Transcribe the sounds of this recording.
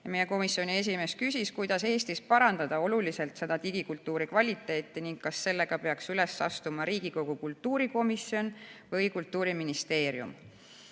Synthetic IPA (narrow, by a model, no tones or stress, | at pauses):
jɑmeje̞ko̞misːjo̞nʲie̞s̬ime̞ːskysiskujd̪̥ɑse̞ːst̪ispɑɾɑnd̪̥ɑd̪ɑo̞lulise̞lt̪se̞d̪ɑt̪iɡ̥ikult̪ːuːɾikvɑlʲit̪ːˑe̞ːt̪ːˑiniŋɡkɑsːe̞lːe̞ɡ̥ɑpeɑksylesːɑ̰st̪umɑɾiːɡ̥iko̞ɡ̥ukult̪ːuːɾiko̞misːio̞nvɯjkult̪ːˑuːɾiminist̪e̞ːɾjṵm